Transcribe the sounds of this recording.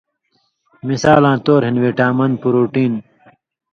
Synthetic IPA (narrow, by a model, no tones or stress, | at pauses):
misaːlãːt̪oːɾɦinweːʈaːmɐn̚puɾuːʈiːn